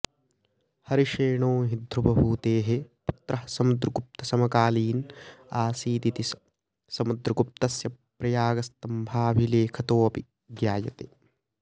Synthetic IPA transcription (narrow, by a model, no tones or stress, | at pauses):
hɐɾiʃeːɳoːɦid̪ʱɾubɐbuːt̪eːɦeput̪ɾɐɦsɐmud̪ɾɐɡup̚t̪ɐsɐmɐkaːliːnaːsiːt̪it̪is | sɐmud̪ɾɐɡup̚t̪ɐsjɐpɾɐjaːɡɐst̪ɐmbʱaːbʱileːkʰɐt̪oːɐpi | ɡjaːjɐt̪e